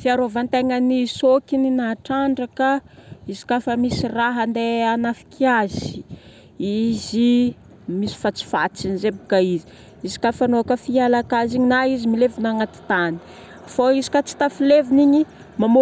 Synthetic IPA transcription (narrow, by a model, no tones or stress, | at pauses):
fiaɾovant̪eŋənisokininaʈ͡ʂaɳɖ͡ʐakaizi̥kafəmisiraɦənd̪eanafi̥kʰiazi | izi | misi̥fat͡si̥fa̰t͡sinizebuɡaizi̥ | izi̥kafanoakəfialakaziɲinaizimilevinaŋat̪i̥t̪ani̥ | foizi̥kat͡si̥t̪afileviniɲi | mamo